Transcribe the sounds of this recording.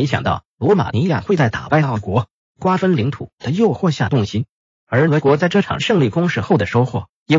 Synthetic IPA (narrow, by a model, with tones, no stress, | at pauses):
e˧˥ɪɕjɑ̰˨˩ŋt̪ɑ̰˥˩ʊlwɔ˧˥ma̰˨˩ni˧˥ja̰˥˩xwe˥˧ɪt͡sa˥˩ɪt̪a̰˨˩pa˥ɪt̪ɑ˥˧˩kwɔ˧˥ | kwa˥fə˥nli˧˥ŋt̪ʰṵ˨˩d̪̥ə˦jo˥˧ʊxwɔ˥˧ɕja˥˩t̪ʊ˥˩ŋɕi˥n | ə˞˧˥we˧˥kwɔ˧˥t͡sa˥˧ɪʈ͡ʂɤ˥˩ʈ͡ʂʰɑ̰˨˩ŋʂɤ˥˧ŋli˥˩kʊ˥ŋʂɻ̩˥˧xo˥˩ʊd̪ə˩ʂo˥ʊxwɔ˥˩ | i˥